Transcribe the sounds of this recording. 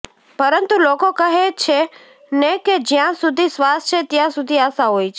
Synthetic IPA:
pəɾənt̪ulokokəɦet͡ʃʰe | neked͡ʒjãsud̪ʱisʋast͡ʃʰet̪jãsud̪ʱiaʃaɦojt͡ʃʰe

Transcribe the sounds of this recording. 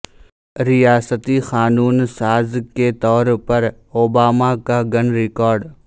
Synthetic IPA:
ɾɪjaːsət̪ixaːnuːnsaːzket̪ɔːɾpɐɾ | oːbaːmakaɡɐnɾɪkɔːɾɖ

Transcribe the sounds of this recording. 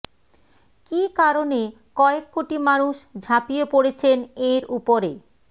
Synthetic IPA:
kikaɾone | kɔekːoʈimanuʃd͡ʑʱapijepoɽet͡ɕʰeneɾupoɾe

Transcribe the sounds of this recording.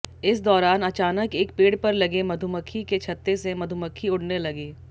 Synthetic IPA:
ɪsd̪ɔːɾaːnɐt͡ʃaːnəkeːk̚peːɽpɐɾlɐɡemɐd̪ʱuməkʰːiket͡ʃʰɐt̪ːesemɐd̪ʱuməkʰːiʊɽnelɐɡeː

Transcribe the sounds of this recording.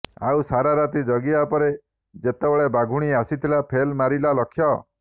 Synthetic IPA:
a̰wsaɾaɾat̪id͡ʒɔɡiapɔɾe | d͡ʒet̪ebɔɭebaɡʱuɽ̃iasit̪ʰilapʰelmaɾilalɔkʰjɔ

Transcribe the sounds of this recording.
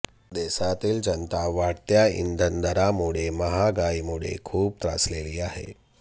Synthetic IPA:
d̪esat̪iːld͡ʑənt̪aʋaɽt̪jaḭnd̪ʱənd̪ʱəɾamuɽ̤eməɦaɡaimuɽḛkʰuːb̚t̪ɾa̰sleliːaɦḛ

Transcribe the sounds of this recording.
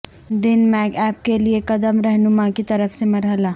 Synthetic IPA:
d̪ɪnmɛːɡɛːp̚keliekɐd̪əmɾɛɦnʊmãkit̪ɐɾəfsemɐɾɦəlaː

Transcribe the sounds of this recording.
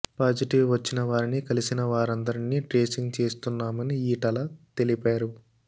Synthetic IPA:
paːd͡ʒiʈiʋʋɐt͡ʃːinɐʋaːɾinikɐlisinɐʋaːɾɐnd̪ɐɾiniːʈɾe̞ːsiŋɡt͡ʃe̞ːst̪unːaːmɐniiːʈɐlɐt̪e̞lipaːɾu

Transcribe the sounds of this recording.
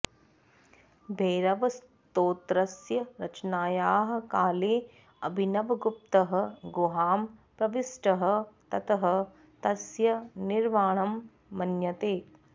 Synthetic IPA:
bʱeːɾɐʋɐs | t̪oːt̪ɾɐsjɐɾɐt͡ʃnaːjaːɦɐ̆kaːleː | ɐbʱinɐʋɐɡup̚t̪ɐɦɐ̆ɡoːɦaːmpɾɐʋisʈɐɦɐ̆t̪ɐt̪ɐɦɐ̆ | t̪ɐsjɐniɾmaːɳɐmː | ɐnjɐt̪eː

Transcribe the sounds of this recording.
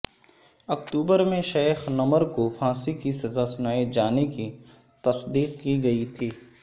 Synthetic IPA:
ɐkt̪uːbəɾmẽʃeːxnɐməɾkofãːsikisɐzasʊnaːid͡ʒaːneki | t̪ɐsd̪iːqkiɡɐit̪ʰiː

